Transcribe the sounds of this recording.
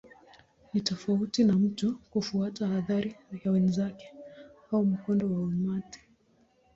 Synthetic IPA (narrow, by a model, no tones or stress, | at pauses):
nitɔfautinam̩tɔkufuatahaðaɾijawɛnzakɛ̥haum̩kɔndɔwauɲati̥